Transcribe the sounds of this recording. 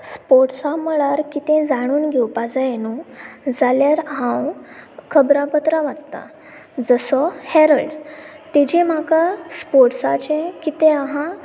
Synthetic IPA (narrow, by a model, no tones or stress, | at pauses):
spoʈsaməɭaɾkit̪ẽd͡zaɽ̃uːnɡʱewpad͡zajenũd͡zaljaɾɦãwkʰəbɾãpət̪ɾaʋad͡zt̪a̰ | d͡zəsɔhɛɾəɭɖ | t̪ed͡ʑem̤akaspoʈsat͡ɕẽkit̪ẽaɦã